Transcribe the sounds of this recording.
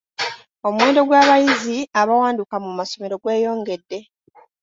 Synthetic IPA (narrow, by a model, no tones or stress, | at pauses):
o̞mwe̞ːndo̞ɡwaːβajiziaβawaːndukamumaso̞me̞ɾo̞ɡwe̞ːjo̞ːŋɡe̞dːe̞